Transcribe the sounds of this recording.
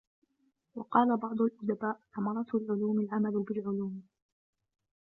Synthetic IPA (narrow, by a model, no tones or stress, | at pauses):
wɑqɑːlabɑʕd̪ˤʊlʔʊd̪abaːʔʔamɑɾˤɑt̪lʕʊluːmalʕamalʊbɪlʕʊluːm